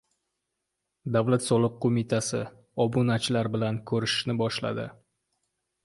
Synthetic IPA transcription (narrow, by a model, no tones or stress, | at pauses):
d̪avlat̪sɒlˠɨqqʰːomɪt̪ʰasɪ | ɒbunat͡ʃlaɾbɪlankʰɵɾɪʃnɪbɒʃla̰d̪ɪ